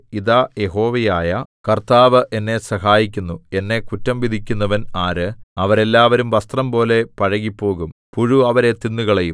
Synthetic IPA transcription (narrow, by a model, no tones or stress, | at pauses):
iðajeɦo̞ːʋɐjaːjɐkɐrt̪aːʋɨʔenːe̞sɐɦaːjikʲːunːue̞nːe̞kutːɐmʋid̪ʱikʲːunːɐʋɐnaːɾɨɐʋɐɾe̞lːaːʋɐɾumʋɐst̪rɐmpo̞ːle̞pɐɻɐɣipːo̞ːɣumpuɻuɐʋɐɾe̞t̪inːuɣɐɭejum